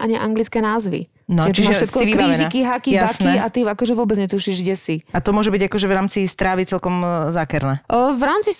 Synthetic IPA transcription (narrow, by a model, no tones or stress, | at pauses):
ʔa̰ɲiʔa̰ŋɡlit͡skɛːnaːzʋḭ | nɔt͡ʃiʒʃɛt̪kɔiiɾiziakiɦakijabaniat̪iakɔʒɛʋʊɔbɛd͡zɲɛt̪uʃiʒɡɟɛsiat̪ɔmʊɔʒɛbiɟakɔʒɛvɾaːmt͡sist̪ɾaːʋit͡sɛlkɔmzakɛɾnɛvɾaːmt͡si